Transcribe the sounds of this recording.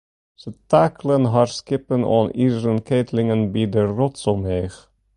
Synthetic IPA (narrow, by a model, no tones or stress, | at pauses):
sət̪æklənɦɑɹskɪpənɔ̰niːzɾənkʰeːt̪ʰlɪŋənbiːd̪ərɔtsomeːx